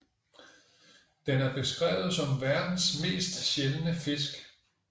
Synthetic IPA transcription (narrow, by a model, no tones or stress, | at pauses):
d̥enæɐb̥e̝sɡ̥ʁɛ̰ːʊð̩ˠsɒ̽mʋæɐd̥n̩sme̝̰ːsd̥ɕelənəfe̝s̬ɡ̥